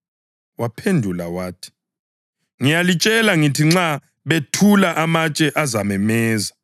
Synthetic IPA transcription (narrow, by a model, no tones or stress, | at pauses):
wapʰendʱulawaːtʰi̥ | ŋijalit͡ʃʼɛlaŋitʰiŋ͡ǁa | βetʰulaʔamat͡ʃʼɛʔazamɛmɛːza